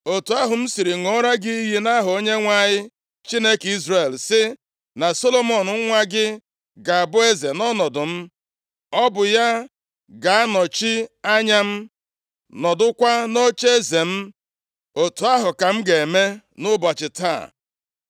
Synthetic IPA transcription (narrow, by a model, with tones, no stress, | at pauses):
o˨tu˨a˦ɦʊ˨m̩˦si˨ɾi˨ŋɔ˦ɾa˦ɡɪ˦ɦi˦na˦ɦʊ˨o˦ɲe˦ŋʷa˦˨ɲɪ˦ | t͡ʃi˦ne˦ki˦zɾe˨lsɪ˦ | na˨so˦lo˦mɔ˨nʊ˨ŋ̩˦ŋʷa˦ɡɪ˦ | ɡa˨a˨bʊ˦e˦ze˨nɔ˦nɔ˨dʊ˨m̩˦ | ɔ˦bʊ˨ja˦ | ɡa˨a˦nɔ˨t͡ʃi˦a˦ɲa˦m̩˦ | nɔ˨dʊ˦kʷa˦no˦t͡ʃe˦e˦ze˨m̩˦ | o˨tu˨a˦ɦʊ˨ka˨m̩˦ɡe˨e˨me˦ | nʊ˦ba˨t͡ʃɪ˨ta̰˦˨